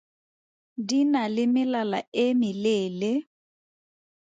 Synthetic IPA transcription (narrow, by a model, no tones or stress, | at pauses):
dinalɪmɪlalaemɪleːle